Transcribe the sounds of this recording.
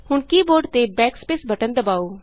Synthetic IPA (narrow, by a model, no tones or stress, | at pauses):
hʊɳkiːboːɾɖt̪ebɛːkspeːsbʱəʈənd̪əbaːoː